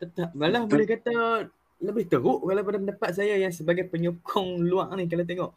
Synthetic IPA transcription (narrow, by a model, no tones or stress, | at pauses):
t̪ət̪ap̚ɡalahbəlɛhkat̪a | ləbɪht̪əɾʊʔɡalapadapəndapat̪̚s̬ajajaŋsəbaɡajpəɲukʰʊŋluaŋnihk̬alawt̪̬eŋɔʔ